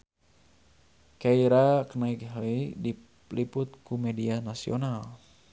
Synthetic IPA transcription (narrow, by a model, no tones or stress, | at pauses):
kaiɾakənaikhlidi | lipʊt̪̚kumɛdianasional